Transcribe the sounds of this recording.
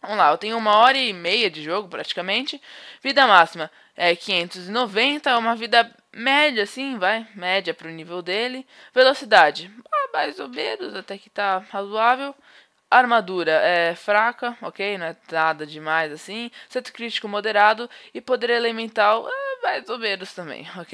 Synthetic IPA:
vɐ̃m̃lˠaewt̪ẽj̃ʊũmɐɔɾɐːmejɐd͡ʒɪʒoɡʊpɾat͡ʃi̥kɐmẽnt͡ʃɪvid̪ɐmasimɐ | ɛkĩɲẽnt̪ʊzɪnovẽnt̪ɐũmɐvid̪ɐ | mɛd͡ʒɐːsĩvajmɛd͡ʒɐpɾʊnivewd̪elɪ | velosid̪ad͡ʒɪabajzobeɾʊzat̪ɛkɪ̥t̪ahazuavew | aɾmad̪uɾɐʔɛfɾakɐokejnɐ̃w̃ɛnad̪ɐd͡ʒɪmajzasĩsẽt̪ʊ̥kɾit͡ʃi̥kʊmod̪eɾad̪ʊɪpod̪eɾelemẽnt̪awabajzobeɾʊst̪ɐ̃mbḛ̃j̃oke

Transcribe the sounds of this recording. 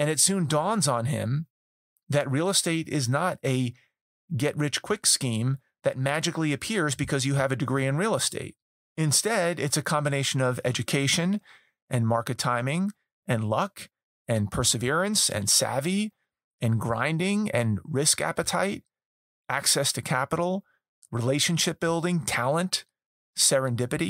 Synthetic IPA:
ɨ̃ñɨtsʉ̃ndɔ̃nzn̩ɪ̰̃m | ðɨt̚ɹil̩ˠəsteɪɾɪznəɾɨ | ɡɛʔ̚ɹɪt͡ʃkʰw̥ɪkskĩm | ðɨt̚mæd͡ʒɨkliɨpʰɪɹzbɨkʰʌzjɨːvɨdɨɡɹiɨ̃nɹil̩ˠəstḛɪɾ̚ | ɨ̃nstɛɾɪtsɨkʰɑ̃mbɨneɪʃɨ̃nʌvɛd͡ʒɨkʰeɪʃɨ̃n | ʔɨ̃nmɑɹkɨtʰãɪ̃mɪ̃ŋ | ʔɨ̃nlʌk | ɨ̃npʰɜ˞sɨvɪɹɨ̃nsɨ̰̃nsæ̰vi | ɨ̃nɡɹã̰ɪ̃ndɪ̃ŋɨ̰̃nɹɪskæ̰pɨtʰa̰ɪt̚ | ʔæksɛstʰɨkʰæpəɾl̩ˠ | ɹileɪʃɨ̃nʃɪp̚b̥ɪlˠdɪ̃ŋtʰælˠə̃nt | sɛɹɨ̃ndɪpɨɾi

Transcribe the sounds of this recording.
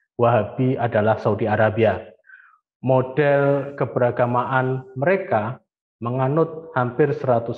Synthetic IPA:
waɦabiadalahsaudiaɾabia | mod̥ɛlkəbəɾaɡamaʔanməɾeka | məŋanʊt̪̚hampɪrsəɾat̪ʊs

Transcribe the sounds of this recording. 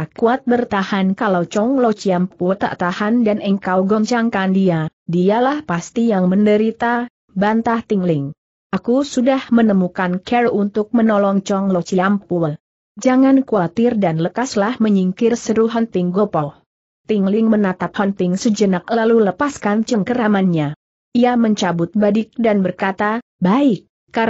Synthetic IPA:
kuat̪̚bərt̪ahankalawt͡ʃɔŋlot͡ʃiamput̪a̰ʔt̪ahandanəŋkawɡɔɲt͡ʃaŋkandiadialahpast̪ijaŋməndəɾit̪a | bant̪aht̪iŋlɪŋ | ʔakusudahmənəmukankʰɛrunt̪ʊk̚mənɔlɔŋt͡ʃɔŋlot͡ʃiampuəl | d͡ʒaŋankuat̪ɪrdanləkaslahməɲiŋkɪrsəɾuɦant̪ɪŋɡopɔ | t̪iŋlɪŋmənat̪ap̚hant̪ɪŋsəd͡ʒənak̚laluləpaskant͡ʃəŋkəɾamanɲa | ʔiaməɲt͡ʃabʊt̪̚badɪk̚danbərkat̪a | baɪkː | a

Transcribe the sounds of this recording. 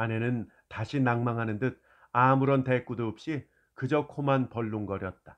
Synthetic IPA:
ane̞nɯn | taɕʰinaŋmaŋɦanɯndɯt̚ | amuɾʌntek͈udoːp̚ɕ͈i | kɯd͡ʑʌkʰomanpʌɭːuŋɡʌɾjʌt̚t͈a

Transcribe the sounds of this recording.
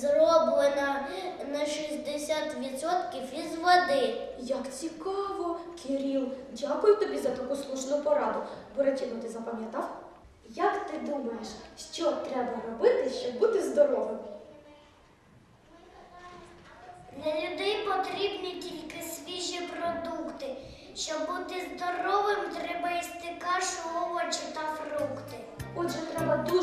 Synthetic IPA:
zrɔblˠenɐnɐʃizʲd̪esʲat̪ʋʲit̪sɔt̪kʲiwizʋɔd̪ɪjɐkt͡sʲikɑʋɔkʰɪɾʲilˠdʲakʊjʊt̪ɔbʲizɐt̪ɐkuslˠuʒnʊpɔɾɑd̪ʊbʊɾɐtʲiɦɔt̪ɪzɐpɐmʲjɐt̪ɑw | jɐkt̪ɪd̪umɐjeʃʃt͡ʃɔt̪ɾɛbɐɾɔbɪt̪ɪʃt͡ʃɔbbut̪ɪzd̪ɔɾɔʋemɔ | d̪lʲɐlʲʊd̪ɛjpɔt̪ɾʲibnʲitʲilʲkɪsʲʋʲiʒipɾɔd̪ukt̪ɪʃt͡ʃɔbːut̪ɪzd̪ɔɾɔʋɪmt̪ɾɛbɐjist̪ɪkɑʃˠɔʋɔt͡ʃɪt̪ɐfrukt̪ɪ | ɔdʒɛt̪ɾɛbɐd̪u

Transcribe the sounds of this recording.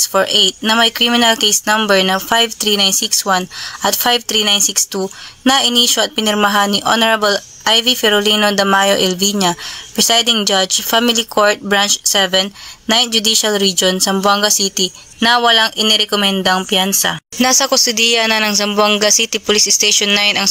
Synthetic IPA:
sfoɹʔejt̪̚nɐmɐjkɹimɪnɐlkejsnɐ̃mbɛɹnɐfajvt̪ɹiːnajnsikswanʔɐt̪fajvt̪ɾiːnajnsikst̪unɐʔɪniːʃoɐt̪̚pɪnɪɾmɐɦanːiʔo̰nɛɹɐbɐl | ʔajvifɛɾolinod̪ɐmajo̞ʔɛlviɲɐpɹɛsajd̪ɪŋd͡ʒad͡ʒfamɪlikʰoɹt̪̚bɹant͡ʃsɛvɛnːajnd͡ʒʊd̪iʃɐlɹid͡ʒonsɐmbwaŋɡɐsit̪i | nɐwɐlaŋɪnɛɾɛkomɛnd̪ɐɐŋpjansɐ̰nasɐkost̪ʊd̪ijanɐnɐŋs̬ɐmbwaŋɡɐsit̪ipʊlisɪst̪ejʃonːajɪnɐŋ

